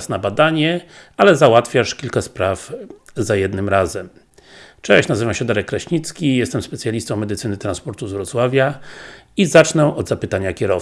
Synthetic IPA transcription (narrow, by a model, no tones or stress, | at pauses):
snabad̪aɲɛ | alɛzawat̪fʲjaʂkʲilkaspɾavzajɛd̪nɘmɾazɛm | t͡ʂɛɕnazɘvamɕɛd̪aɾɛkːɾaɕɲit̪skʲijɛst̪ɛmspɛt̪sʲjalʲist̪ɔ̃w̃mːɛd̪ɘt̪sɘnɘt̪ɾanspɔɾt̪uzvɾɔt̪swavʲja | izat͡ʂnɛɔd̪zapɘt̪aɲakʲɛɾɔ